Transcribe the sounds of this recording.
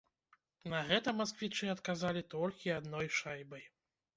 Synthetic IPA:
nɐɣɛt̪ɐmaskvʲit͡ʂɨɐt̪kazalʲit̪ɔlʲkʲiad̪nɔjʂajbɐj

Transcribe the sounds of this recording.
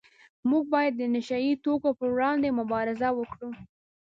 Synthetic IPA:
muɡ̚bɑjad̪ːənɪʃait̪okopəɽɑnd̪emʊbɑɾɪzawəkɽu

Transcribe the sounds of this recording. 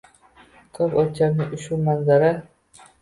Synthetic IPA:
kʰɵpɒt͡ʃʰaɾnɪʊʃumanzaɾa

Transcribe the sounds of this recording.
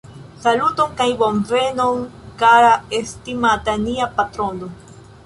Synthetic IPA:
salut̪oŋkajboɱvenoŋkaɾaest̪imat̪aniapat̪ɾono

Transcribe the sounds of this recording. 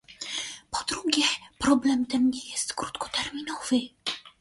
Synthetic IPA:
pɔd̪ɾuɡʲjɛpɾɔblɛmt̪ɛmɲɛjɛst̪kɾut̪kɔ̥t̪ɛɾmʲinɔv̥ɘ

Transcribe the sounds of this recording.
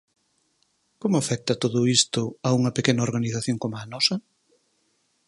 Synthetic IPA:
komʊafɛk̚t̪ɐt̪oðʊist̪ʊauŋɐpekenɐoɾɣaniθaθjoŋkomaːnɔsɐ

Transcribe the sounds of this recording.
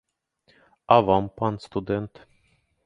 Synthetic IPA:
avampanst̪ud̪ɛnt̪

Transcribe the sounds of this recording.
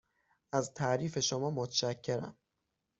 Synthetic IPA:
æzt̪ʰæʔɾiːfe̞ʃomɒːmot̪ʰʃæcʰːe̞ɾæ̰m

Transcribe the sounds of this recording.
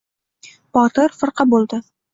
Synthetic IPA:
bɒt̪ʰɪɾfɨɾqʰɑbolˠd̪ɪ

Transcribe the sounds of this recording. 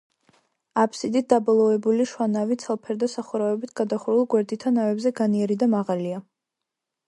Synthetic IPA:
apʰsid̪it̪̚d̪̥abɔlˠɔvɛbuliʃwanavit̪sʰalˠpʰɛɾd̪asaχuɾavɛbit̪ʰɡ̥ad̪aχuɾulˠɡwɛɾd̪it̪ʰːanavɛbzɛɡaniɛɾid̪amaʁalia

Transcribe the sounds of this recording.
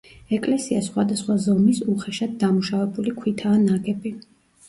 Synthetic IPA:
ɛkʼlɛsiasχwad̪asχwazɔmisuχɛʃad̪̚ːamuʃavɛbulikʰwit̪ʰaːnaɡɛbi

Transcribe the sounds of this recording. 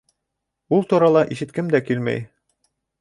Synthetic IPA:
ulˠt̪uɾɑlˠɑʔiʃɘ̆t̪kɘmd̪ækilmæ̰j

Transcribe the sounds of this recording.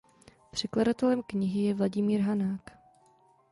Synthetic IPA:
pr̝̥ɛkladat̪ɛlɛmkɲɪɦɪjɛvlaɟɪmiːɾɦanaːk

